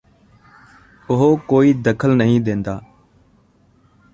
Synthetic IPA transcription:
ʊɦoːkoːiːd̪əkʰəlnəɦĩːd̪ẽːnd̪aː

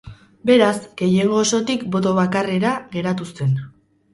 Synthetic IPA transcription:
be̞ɾasɡ̥e̞jeɣo̞so̞t̪ikbo̞t̪oβ̞akare̞ɾaɣe̞ɾat̪ust̪e̞n

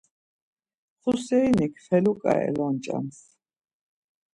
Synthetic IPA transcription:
χusɛinikʰfɛlukʼa̰ɛ̰lɔnt͡ʃʼa̰ms

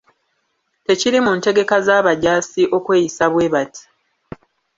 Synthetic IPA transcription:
te̞ciɾimunte̞ɡe̞kazaːβaɟaːsiʔo̞kwe̞ːjisaβwe̞ːβati̥

